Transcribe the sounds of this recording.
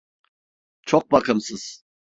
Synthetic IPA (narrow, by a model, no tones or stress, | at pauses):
t͡ʃʰok̚bakɯmsɯz̥